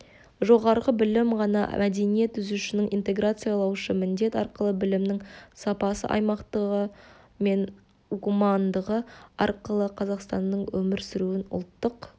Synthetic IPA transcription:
ʒo̞ʁɑɾʁəbɪlɪmʁɑnɑ̰mʔæd̪e̞nije̞t̪ʰːʏzuʃɪnɪŋʔint̪e̞ɡrat̪sɨjɑlˠɑwʃəmɪnd̪e̞t̪ɑɾqəlˠəbɪlɪmnɪŋsɑpɑsə̰ʔɑ̰jmɑqt̪əʁə | me̞n | ukumɑnd̪əʁəɑ̰ɾqəlˠəqʰɑzɑqst̪ɑnd̪əɴwɵmɪɾsɪɾuɪnʊ̰lˠt̪ːəq

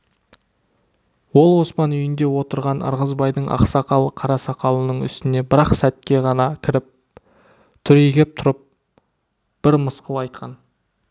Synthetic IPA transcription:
wo̞lˠwo̞spɑnʏjɪnd̪e̞wo̞t̪əɾʁɑnə̰ɾʁəzbɑjd̪əɴʔɑ̰qsɑqɑlˠqʰɑɾɑsɑqɑlˠənəɴʏ̰st̪ɪne̞bɪɾɑqsæt̪̚kʲe̞ʁɑnɑkʲʰɪɾɪp̚ | t̪ʰʏɾeɡʲe̞p̚t̪ʰʊɾəp̚ | b̥ɪɾməsqəlˠɑjt̪̚qʰɑn

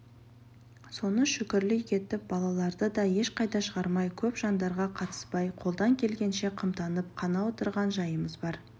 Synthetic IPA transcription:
so̞nəʃʏkʲɪɾlɪjkʲʰe̞t̪ɪp̚bɑlˠɑlˠɑɾd̪əd̪ɑje̞ʃqʰɑjt̪ɑʃəʁɑɾmɑjkʲʰɵpʒ̥ɑnd̪ɑɾʁɑqʰɑt̪ə̥spɑjqʰo̞lˠd̪ɑŋkʲʰe̞lɡʲe̞nʃe̞qʰəmt̪ɑnəp̚qʰɑnɑwo̞t̪əɾʁɑnʒɑjəməzbɑɾ

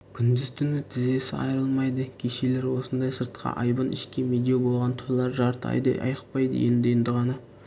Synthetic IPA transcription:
kʲʰʏnd̪ɪzt̪ʰʏnɪt̪ʰɪze̞sɪɑ̰jɾəlˠmɑjd̪əkʲʰeʃele̞ɾwo̞sənd̪ɑjsəɾt̪̚qʰɑ̰ʔɑjbənʔɪ̰ʃkʲemed̪ʲijobo̞lˠʁɑnt̪ʰʊɾlˠɑɾʒɑɾt̪əɑ̰jd̪ɑ̰jʔɑ̰jəqpɑjd̪ə̰je̞̰nd̪ɪje̞nd̪ɪʁɑnɑ

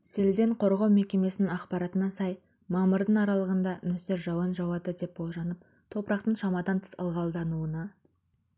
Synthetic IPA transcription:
se̞ld̪e̞ɴqʰo̞ɾʁɑwmekʲe̞me̞sɪnɪŋɑqpɑɾɑt̪ənɑsɑj | mɑməɾd̪əɴɑɾɑlˠəʁənd̪ɑnɵseɾʒɑwɑnʒɑwɑd̪əd̪e̞p̚bolˠʒɑnəp̚ | t̪ʰo̞pəɾɑqt̪əɴʃɑmɑd̪ɑnt̪ʰɪ̥sə̰lˠʁɑlˠd̪ɑnuənɑ

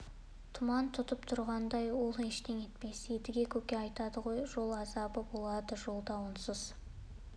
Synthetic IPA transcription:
t̪ʰʊmɑnt̪ʰʊt̪əpt̪ʰʊɾʁɑnd̪ɑjwo̞lˠeʃt̪e̞ŋe̞t̪pe̞sed̪ɪɡʲe̞kʲʰɵkʲe̞ɑjt̪ɑd̪əʁo̞jʒo̞lˠɑzɑbəbo̞lˠɑd̪əʒo̞lˠd̪ɑwənsʊz̥

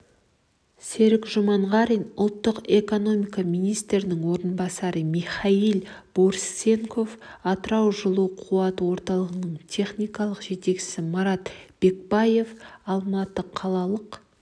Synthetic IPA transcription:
se̞ɾɪkʒomɑɴʁɑɾinʊlˠt̪ːəqe̞ko̞no̞mijkɑmijnijst̪ɾɪnɪŋwo̞ɾənbɑsɑɾəmiχɑjilˠb̥o̞ɾsːe̞ŋkʰo̞fɑt̪əɾɑwʒəlˠuqʰuɑt̪əwo̞ɾt̪ɑlˠəʁənəɴt̪ʲʰe̞χnʲijkɑlˠəqʒe̞t̪e̞kʃɪ̥sɪmɑɾɑt̪b̥e̞k̚bɑje̞fɑlˠmɑt̪əqʰɑlˠɑlˠəq

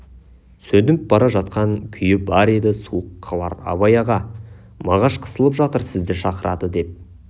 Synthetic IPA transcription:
sɵd̪ɪnɪp̚bɑɾɑʒɑt̪qɑɴkʲʰʏjɪbɑɾe̞d̪ɪsuəqːɑbɑ̰ɾɑ̰bɑjɑʁɑ | mɑʁɑʃqʰə̥səlˠəpʒɑt̪əɾsɪzd̪ɪʃɑqəɾɑ̰d̪əd̪e̞p̚

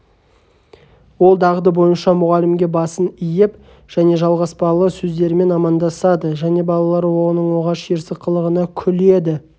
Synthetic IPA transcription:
wo̞lˠd̪ɑʁd̪əbo̞jənʃɑmʊʁɑlɪmɡʲe̞bɑsənijɪp | ʒ̥æne̞ʒɑlˠʁɑspɑlˠəsɵzd̪e̞ɾɪme̞nɑmɑnd̪ɑsɑd̪əʒæne̞bɑlˠɑlˠɑɾwo̞nəɴwo̞ʁɑʃeɾsəqːəlˠəʁənɑkʲʰʏle̞d̪ɪ

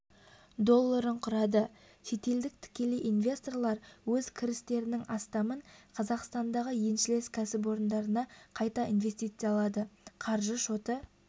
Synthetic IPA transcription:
d̪o̞lˠːaɾəɴqʰʊɾɑd̪ə | ʃe̞t̪e̞ld̪ɪk̚t̪ʰɪ̥kʲe̞leʔinvʲe̞st̪o̞rlˠɑɾwɵzkʲʰɪɾɪst̪e̞ɾɪnɪŋɑst̪ɑməɴqʰɑzɑqst̪ɑnd̪ɑʁəje̞nʃɪle̞skʲʰæsɪp̬wo̞ɾənd̪ɑɾənɑqʰɑjt̪ɑinve̞st̪ijt̪sɨjɑlˠɑd̪əqʰɑɾʒəʃot̪ə

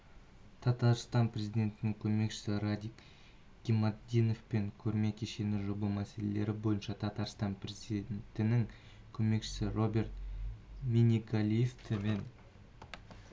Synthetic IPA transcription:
t̪ʰɑt̪ɑɾst̪ɑnpre̞zijd̪ʲe̞nt̪ɪnɪŋkʲʰɵme̞kʃɪ̥sɪɾad̪ʲik | ɡ̥ʲimɑd̪ino̞fpe̞ŋkʲʰɵɾme̞kʲʰeʃe̞nɪʒobəmæse̞lele̞ɾɪbo̞jənʃɑt̪ʰɑt̪ɑɾst̪ɑnprezid̪ent̪ɪnɪŋ | kʲʰɵme̞kʃɪ̥sɪro̞bʲe̞rt̪ | mʲinʲiɡalʲijeft̪ʰɪmen

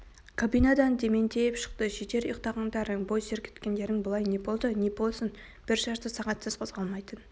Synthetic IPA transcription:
kʰabijnɑd̪ɑnd̪ʰe̞me̞nt̪ʰe̞jɪpʃə̥q̚t̪əʃet̪e̞ɾiqt̪ɑʁɑnd̪ɑɾəŋbo̞jseɾkʲʰe̥t̪kʲe̞nd̪e̞ɾɪŋbəlˠɑjne̞bo̞lˠd̪əne̞bo̞lˠsən | b̥ɪɾʒɑʃt̪əsɑʁɑt̪səz̥qʰo̞zʁɑlˠmɑjt̪ən

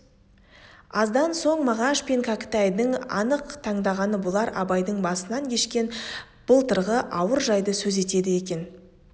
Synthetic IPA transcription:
ɑzd̪ɑnso̞ɴmɑʁɑʃpeŋkʰakə̥t̪ɑjd̪əŋɑ̰nəqt̪ʰɑɴd̪ɑʁɑnəbolˠɑɾʔɑ̰bɑjd̪əɴbɑsənɑŋkʲʰe̞ʃkʲe̞n | b̥əlˠt̪ʰəɾʁəʔɑwəɾʒɑjd̪əsɵze̞t̪e̞d̪ɪje̞kʲe̞n

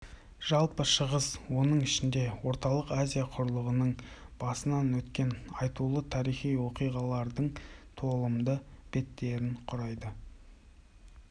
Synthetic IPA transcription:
ʒ̥ɑlˠpəʃəʁəz̥wo̞nəɴɪʃɪnd̪e̞wo̞ɾt̪ɑlˠəqazʲijaqʰʊɾlˠəʁənəɴb̥ɑsənɑnwɵt̪kʲe̞nɑjt̪ulˠət̪ʰɑɾijχijwo̞qijʁɑlˠɑɾd̪əɴt̪ʰo̞lˠəmd̪əb̥e̞t̪ːe̞ɾɪɴqʰʊɾɑjd̪ə

